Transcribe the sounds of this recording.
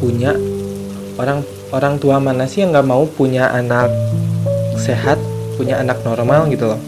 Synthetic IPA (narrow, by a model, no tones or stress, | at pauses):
puɲa | oɾaŋ | oɾaŋt̪uamanasɪhjaŋɡaʔmaupuɲaʔanak̚ | seɦat̪̚puɲaanak̚nɔrmalɡit̪ulɔh